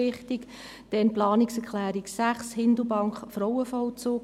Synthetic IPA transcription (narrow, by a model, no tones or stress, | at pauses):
ɪχtik | d̥ɛnplɑːnɪksɛkχlæːɾiksæχshɪnd̪əbɑŋkχfrɔwəfɔwt͡soːk